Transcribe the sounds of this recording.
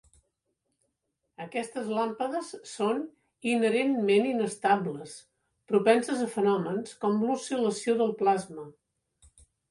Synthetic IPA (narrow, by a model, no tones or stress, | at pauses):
əkɛst̪əzlampəðəsːon | inəɾenmeninəst̪abləs | pɾupɛnsəzəfənɔmənskɔmlusiləsioðəlˠplazmə